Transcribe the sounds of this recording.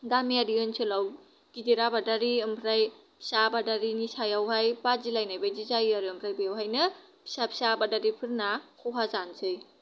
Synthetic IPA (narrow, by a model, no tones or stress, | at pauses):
ɡamiaɾiɯnsʰɯlaw | kidiɾabadaɾiɯmpʰɾaj | pʰi̥sabadaɾinisajawɦajpad͡ʒilajnajbajd͡ʒizajiaɾiɯmpʰɾajbijawɦajnɯ | pʰi̥sapʰi̥sabadaɾipʰɯɾnakʰuɦazansʰɯj